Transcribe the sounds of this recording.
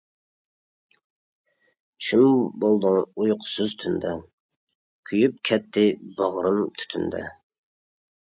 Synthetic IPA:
t͡ʃʰymbolˠd̪ɨŋujqʰʊ̥sɨzt̪ʰynd̪ɛ | kʲʰyjyp̚kʲʰɛt̪ʰːɪbɑʁɾɨmt̪ʰy̥t̪ʰynd̪ɛ̰

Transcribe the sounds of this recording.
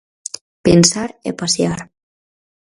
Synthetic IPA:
pensaɾḛpasjaɾ

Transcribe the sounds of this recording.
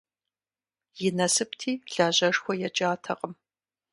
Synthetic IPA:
jɪnɐsɨptʰiːɮaːʑɐʂxʷɔjɛt͡ʃʼaːtʰɐqʼəm

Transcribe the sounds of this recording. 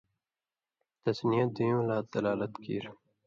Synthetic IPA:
t̪ɐsnijad̪ĩːũlaːd̪ɐlaːlət̪kḭːɾ

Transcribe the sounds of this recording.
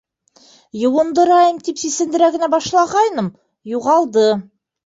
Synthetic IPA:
jɤ̆wɤ̆nd̪ɤ̆ɾɑjɤmt̪ipsisɘ̆nd̪ɘ̆ɾæɡɘ̆næbɑʃlˠɑʁɑjnɤm | juʁɑlˠd̪ɤ

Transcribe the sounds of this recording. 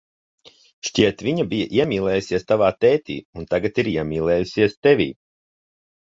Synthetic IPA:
ʃciɛt̪vʲiɲabijaʔiɛmʲiːlˠɛːjusiɛst̪avaːt̪ɛːt̪ḭːunt̪aɡat̪iɾiɛmʲiːlˠɛːjusiɛst̪ɛvʲḭː

